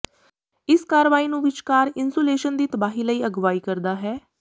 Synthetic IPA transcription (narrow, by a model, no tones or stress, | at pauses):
ɪskaːɾəʋaːiːnũːʋɪt͡ʃkaːɾɪnsoːleːʃənd̪iːt̪əbaːɦiːləiːəɡʋaːiːkəɾd̪aːɦɛː